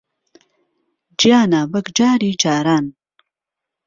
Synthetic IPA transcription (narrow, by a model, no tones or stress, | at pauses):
d͡ʒijaːnaːbɐkd͡ʒaːɾid͡ʒaːɾaːn